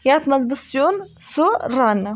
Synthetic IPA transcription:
jat̪mɐzbɨsjonsuɾan

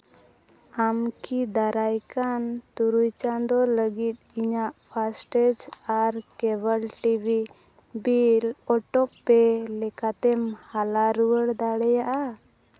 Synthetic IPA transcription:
amkid̪aɾajkant̪uɾujt͡ʃand̪ɔləɡit̪̚iɲaʔpʰasʈɛd͡ʒaɾkɛβəlʈibi | bilɔʈɔpːɛlɛkat̪ɛmhalaɾuwəɽd̪aɽɛjaʔa

